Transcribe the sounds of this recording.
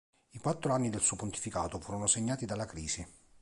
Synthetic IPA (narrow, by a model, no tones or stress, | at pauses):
ikwat̪ːɾoanːid̪elsuːopunt̪i̥fikaːt̪ofuːɾonoseɲːaːt̪id̪alːakɾiːzi